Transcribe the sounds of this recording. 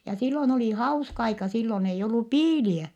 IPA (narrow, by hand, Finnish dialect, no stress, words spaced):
jɑ silːoĭn oli hɑuskɑ ɑikɑ silːon eij olːu piːliæ